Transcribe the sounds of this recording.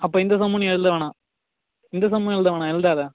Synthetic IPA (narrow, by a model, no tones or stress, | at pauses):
ɐp̬ːoːɪnd̪ɐs̬ɐmːunɐ̃ɛɻɯd̪ɐʋeːɳãː | ɪnd̪ɐs̬ɐmːʊ̃ɛɭɯd̪ɐʋɐːɳãːɛlɯnd̪aːða